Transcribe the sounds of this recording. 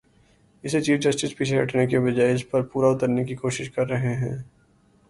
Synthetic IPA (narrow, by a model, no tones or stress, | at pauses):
ɪset͡ʃiːfd͡ʒɐsʈɪspit͡ʃʰeɦɐʈnekebɐd͡ʒaːeɪspɐɾpuːɾaʊt̪əɾnekikoːʃɪʃkɐɾːɐɦeɦɛ̰̃ː